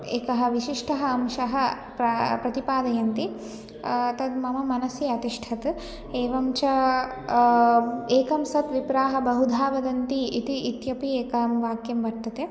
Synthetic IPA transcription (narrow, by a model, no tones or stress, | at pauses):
eːkɐɦɐ̆ʋiʃiʂʈʰɐɦɐːmʃɐɦɐ | pɾɐpɾɐt̪ipaːd̪ɐjɐnt̪i | t̪ɐd̪mɐmɐmɐnɐsjɐɐt̪iʂʈʰɐt̪ | eːʋɐmt͡ʃɐ | eːkɐmsɐt̪ʋipɾaːɦɐbɐɦud̪ʱaːʋɐd̪ɐnt̪iːt̪iːt̪jɐpieːkɐmʋaːkjɐmʋɐɾt̪ːɐt̪e